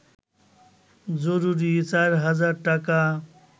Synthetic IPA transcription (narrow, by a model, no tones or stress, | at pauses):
d͡zoɾuɾit͡saɾɦʌd͡zaɾʈaka